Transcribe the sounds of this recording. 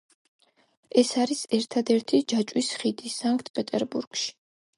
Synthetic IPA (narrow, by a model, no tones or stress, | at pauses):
ɛsaɾisɛɾt̪ʰad̪ɛɾt̪ʰid͡ʒat͡ʃʼwisχid̪isaŋkʰʼt̪̚ʰpʼɛt̪ʼɛɾbuɾɡ̥ʃi̥